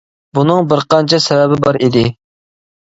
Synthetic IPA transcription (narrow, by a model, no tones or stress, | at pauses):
bunɨŋbɪɾqɑnt͡ʃʰɛsɛvɛbɪbɑɾid̪ɪ